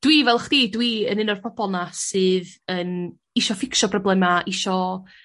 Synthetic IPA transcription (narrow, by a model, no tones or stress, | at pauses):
d̥wiːvɛlˠχd̥idwiə̰nɨnɔr̥pʰɔb̥ɔnasɨːðən | iʃɔfɪkʃɔbrɔblˠɛmaʔiʃɔ